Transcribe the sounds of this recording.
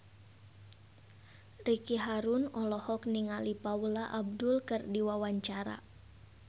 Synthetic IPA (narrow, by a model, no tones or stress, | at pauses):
rikiɦaɾunɔlɔhɔk̚niŋalipaulaʔab̚dʊlkɨrdiwawaɲt͡ʃaɾa̰